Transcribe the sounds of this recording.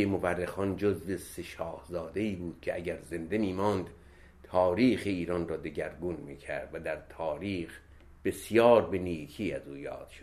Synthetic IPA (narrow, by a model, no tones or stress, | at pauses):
emoværːexɒːnd͡ʒozveseʃɒːhzɒːd̪e̞iːbuːd̪̥̚cʲʰeʔæɟæɾze̞nd̪e̞miːmɒːnd̪ | t̪ʰɒːɾiːxeiːɾɒːnrɒːd̪e̞ɟæɾɡuːnmiːcʰæ̰ɾd̪̥væd̪æɾt̪ʰɒːɾiːx | b̥e̞sjɒːɾbeniːkʰiːæzuːjɒ̰ːd̪̥ʃod̪